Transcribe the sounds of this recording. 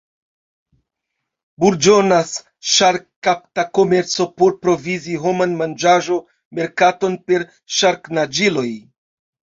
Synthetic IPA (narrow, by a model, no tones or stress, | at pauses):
buɾd͡ʒo̞nas | ʃaɾkkap̚tako̞me̞ɾt͡so̞po̞ɾpɾo̞viziɦo̞manmand͡ʒaʒo̞ | me̞ɾkato̞npe̞ɾ | ʃaɾknad͡ʒilo̞j